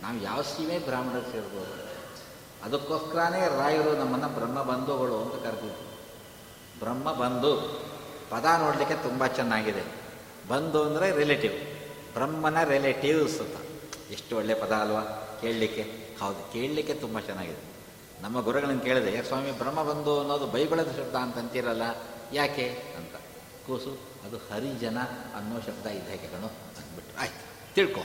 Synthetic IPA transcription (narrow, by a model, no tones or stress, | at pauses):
naːʋuja̰ːʋɐsimeːbɾaːmɐɽɐseːɾboːd̪u | ɐd̪ɐkːoːskɐɾaːneːɾaːjɐɾunɐmːɐnːɐbɾɐmːɐbɐnd̪uɦoɭuɐnt̪ɐkɐɾd̪id̪ːu | bɾɐmːɐbɐnd̪u | pɐd̪ano̞ːɽlikːe̞t̪umbɐt͡ʃɛnːaːɡid̪e | bɐnd̪uɐnd̪ɐɾeɾeleʈiʋ | bɾɐmːɐnːɐɾeleʈiʋsɐt̪ːɐ̰eʂʈuɔɭːepɐd̪aːlʋaːke̞ːɭlikːe | hɐʋd̪uke̞ːɭlikːe̞t̪umbɐt͡ʃɛnːaːɡid̪e | nɐmːɐɡuɾɐɡɐɭɐnkeːɭid̪ejɐkɐsʋaːmibʱɾɐmːɐbɐnd̪uɐnːoːd̪ubɐjɡɐɭɐd̪ɐʃɐbd̪aːnt̪ɐɐnt̪iːɾɐlːɐjaːkeɐnt̪ɐ̥ | kuːsu | ɐd̪uhɐɾid͡ʒɐnɐɐnːoːʃɐkd̪aːid̪ʱaːkekɐɳu | ɐnd̪biʈːɾuaːjit̪u̥ | t̪iɭko̰ː